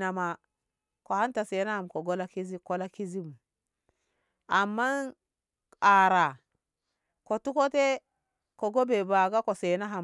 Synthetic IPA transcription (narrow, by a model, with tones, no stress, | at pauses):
na˨ma˨ | ko˨ha˦nta˨se˨˦na˦ha˨mko˨ɡo˦la˦ki˦zi˦ko˦la˦ki˦zi˦bu˨m | a˨mːa˦n | a˨ɾa˨ | ko˨tu˦ko˦te˦ | ko˨ɡo˦be˨ba˨ɡa˦ko˨se˨na˦ɦa˨m